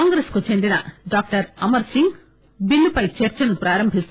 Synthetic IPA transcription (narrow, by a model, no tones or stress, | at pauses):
aŋɡɾeskut͡ʃend̪inɐ̰ɖak̚ʈɐɾɐmɐɾsiŋɡ | bilːupɐjt͡ʃeɾt͡ʃɐnupɾaːɾɐmbʱist̪